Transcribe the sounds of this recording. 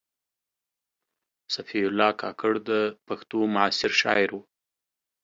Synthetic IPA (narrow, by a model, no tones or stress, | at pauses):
safiʊlːɑkʰɑkaɽd̪əpaxt̪omʊɑsɪɾʃɑ̰ɪɾwu